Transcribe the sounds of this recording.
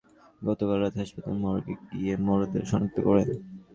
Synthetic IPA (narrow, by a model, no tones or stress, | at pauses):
ɡɔt̪obalɾad̪ɦaʃpat̪a̰lmɔɾoɡeɡiemɔɾod̪ḛɾʃɔnok̚t̪ʰːokɔɾen